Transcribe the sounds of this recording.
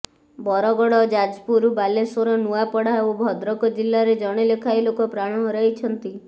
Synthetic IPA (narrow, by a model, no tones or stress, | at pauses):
bɔɾɔɡɔɽɔd͡ʒad͡ʒpuɾbalesoɾɔnuapɔɽaobʱɔd̪ɾɔkɔd͡ʒilːaɾed͡ʒɔɽ̃elekʰajlokɔpɾaɽ̃ɔ̃ɦɾɔɦit͡ʃʰɔnt̪i